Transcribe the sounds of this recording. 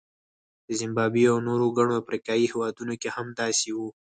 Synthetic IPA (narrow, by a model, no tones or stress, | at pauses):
d̪̥əzɪmbɑbiawnoɾoɡaɽ̃oafɾikɑjihewɑd̪unokehamd̪ɑsewu